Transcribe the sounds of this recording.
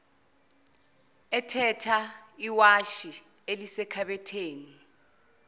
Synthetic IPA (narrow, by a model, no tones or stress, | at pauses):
ɛtʰɛtʰa | iwaʃi | elisɛkʰaɓɛtʰeːni